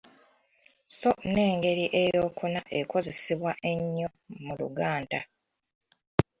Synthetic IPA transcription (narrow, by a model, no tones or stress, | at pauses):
so̞ne̞ːŋɡe̞ɾiʔe̞jo̞ːkʰunaʔeko̞ze̞siβwaʔe̞ɲːo̞mulṵɡaːnda